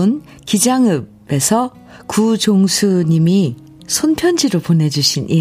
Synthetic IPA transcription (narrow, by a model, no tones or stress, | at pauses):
n | kid͡ʑaŋɯb | e̞sʰʌ | kud͡ʑoŋsʰuɲimi | sʰonpʰjʌnd͡ʑiɾopone̞d͡ʑuɕʰinʔi